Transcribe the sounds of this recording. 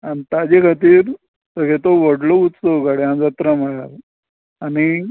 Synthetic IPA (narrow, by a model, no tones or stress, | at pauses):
anit̪ad͡ʑekʰat̪̬iːɾ | səɡʱet̪oʋəɽlout̪soʋkaɽeãnd͡zat̪ɾam̤əɭaɾ | ani